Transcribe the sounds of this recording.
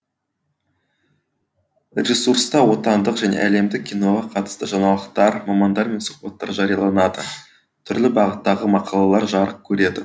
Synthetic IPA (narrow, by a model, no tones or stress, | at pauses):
ɾʲesuɾst̪ɑwo̞t̪ɑnd̪əqʒæne̞̰ʔæle̞md̪ɪk̚ʲʰːijno̞ʁɑqʰɑt̪ə̥st̪əʒɑɴɑlˠəqt̪ɑɾmɑmɑnd̪ɑɾme̞nsu̥qpɑt̪ːɑ̰ɾʒɑɾijɑlˠɑnɑd̪ə̰ | t̪ʰʏɾlɪbɑʁət̪ːɑʁəmɑqʰɑlˠɑlˠɑɾʒɑɾəq̚kʲʰɵɾe̞d̪ɪ